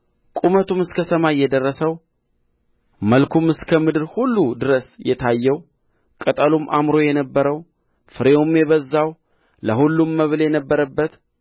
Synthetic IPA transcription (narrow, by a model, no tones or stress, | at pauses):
kʼumət̪ʰumɨskʰəsəmajːɛd̪ərːəsəw | məlkʰumɨskʰəmɨd̪ɨɾhulːud̪ɨɾəsjɛt̪ʰajːɛw | kʼət̪ʼəlumʔamɾo̞jɛnəbːəɾəw | fɨɾeumjɛβəzːaw | ləɦulːumːəβljɛnəbːəɾəbːət̪